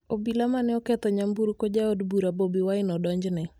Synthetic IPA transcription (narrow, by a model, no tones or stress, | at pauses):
obilamanɪɔkɛt̪ɔɲambuɾkod͡ʒaodbuɾabobiwaɪnɔdɔɲd͡ʒnɛ